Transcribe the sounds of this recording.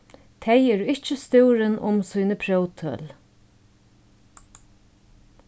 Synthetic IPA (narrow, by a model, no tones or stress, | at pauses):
t̪ʰejɛːɾɪht͡ʃəst̪ɪwɾənʔʊ̰msuːnəpʰɾœwt̪ʰœ̰ːl